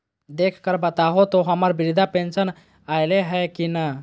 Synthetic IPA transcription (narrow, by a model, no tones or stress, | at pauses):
d̪ekʰkəɾbat̪aɦot̪oɦəmaɾbiʋid̪ʱapẽnsən | ajleɦɛkina